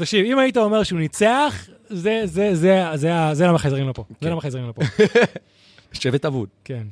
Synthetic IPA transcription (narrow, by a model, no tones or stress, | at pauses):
t̪akʃivimaitao̞me̞ʁʃeunit͡seaχ | zezezezeazelamaχezʁimlopozelamaχezʁimlopo | ʃevetavṵdken